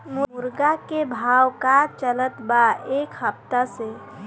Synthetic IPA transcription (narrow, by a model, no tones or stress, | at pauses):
mumuɾɡakebʱawkat͡ʃələt̪baekhəp̚t̪ase